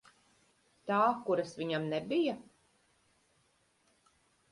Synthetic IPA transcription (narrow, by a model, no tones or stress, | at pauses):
t̪aːkuɾasvʲiɲamnɛbija